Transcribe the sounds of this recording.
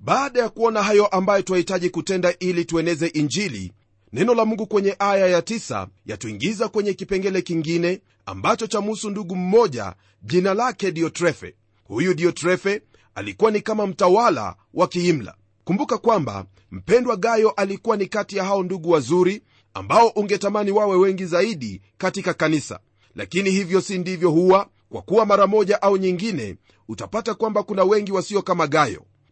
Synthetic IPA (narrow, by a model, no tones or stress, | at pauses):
ɓaːɗajakuɔnaɦajɔʔambajɔtuahitaʄikutɛndaʔilituɛnɛzɛʔiɲd͡ʒilḭ | nɛnɔlamuŋɡukwɛɲɛʔajajatisa̰ja̰tuḭŋɡizakwɛɲɛkipɛŋɡɛlɛkiŋɡinɛ | a̰mbat͡ʃɔt͡ʃamusunduɠum̩mɔʄa̰ | ʄinalakɛɗiɔtɾɛfɛ̰ | hujuɗiɔtɾɛfɛ | alikuwanikamam̩tawala̰ | wʔakiːm̩la̰ | kumbukakwamba̰ | m̩pɛndwaɠajɔʔalikuwanikatijahaɔnduɠuwazuɾi | a̰mbaɔʔuŋɡɛtamaniwawɛwɛŋɡizaiɗi | katikakanisa̰ | la̰kinihivjɔsindivjɔhuwa | kwa̰kuwamaɾamɔʄaʔauɲiŋɡinɛ̰ | utapatakwambakunawɛŋɡiwasiɔkamaɠajɔ̰